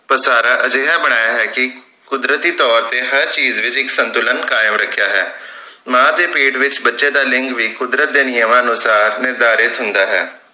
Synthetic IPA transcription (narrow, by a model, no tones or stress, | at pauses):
pəɾsaːɾaːʔəd͡ʒeːɦaːbəɽ̃aːjaːɦɛːkɪ | kʊd̪ɾət̪iːt̪ɔːɾt̪eːɦəɾt͡ʃiːzʋɪt͡ʃɪksənt̪ʊlənkaːjəmɾəkʰːjaːɦɛː | mãːd̪eːpeːʈʋɪt͡ʃbətːʃeːd̪aːlɪŋɡʋiːkʊd̪ɾət̪̚d̪eːnɪjəmãːənʊsaːɾnɪɾd̪aːɾɪt̪ɦʊ̃nd̪aːɦɛː